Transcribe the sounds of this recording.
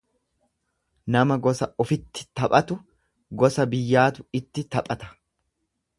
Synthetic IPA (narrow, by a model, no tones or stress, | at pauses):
nɐmɐɡɔsɐɔfɪt̪ːɪ̥t̪ɐpʼɐt̪ʊ | ɡɔsɐbɪjːaːt̪ʊɪt̪ːɪt̪ɐpʼɐt̪ɐ̥